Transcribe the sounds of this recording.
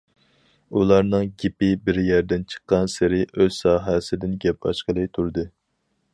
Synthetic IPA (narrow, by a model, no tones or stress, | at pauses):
ulˠɑɾnɨŋɡʲipɪbɪɾjɛɾd̪ɪnt͡ʃʰə̥qːɑnsɪɾɪʔøz̥sɑːɦɛsɪd̪ɪnɡʲɛp̚ɑ̰ʃqəlˠɨt̪ʰuɾd̪ɨ